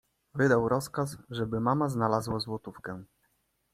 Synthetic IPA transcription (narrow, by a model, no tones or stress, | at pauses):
vɘd̪awɾɔskasʐɛbɘmamaznalazwazwɔt̪ufkɛ̃